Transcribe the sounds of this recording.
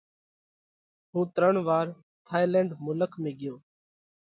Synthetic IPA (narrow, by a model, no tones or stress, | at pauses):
ɦũːt̪ɾəɳʋaːɾ | t̪ʰaːjlɛ̃ːɳɖmʊləkʰmẽːɡɪjoː